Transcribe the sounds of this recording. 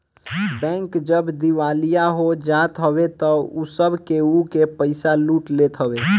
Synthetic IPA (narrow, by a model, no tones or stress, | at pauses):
bɛ̃ŋkd͡ʒəbd̪iwalijaɦod͡ʒaːt̪ɦəbet̪ɔusəbʱkeukepəɪsaluːʈlet̪ɦəbe